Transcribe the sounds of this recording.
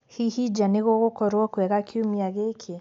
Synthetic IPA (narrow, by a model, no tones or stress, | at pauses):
hihid͡ʒaneɣoɣokɔɾwɔkwɛɣakʰiumiaɣekʰe